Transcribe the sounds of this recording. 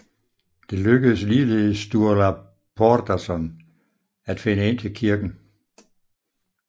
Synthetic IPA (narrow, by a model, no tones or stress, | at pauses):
d̥e̝løɡ̥əð̩ˠəsliːleð̩ˠsːd̥uɐlæ | pʰɒd̥æsɒn | æd̥fe̝nəe̝n̰t͡sʰe̝lkʰiɐɡ̥n̩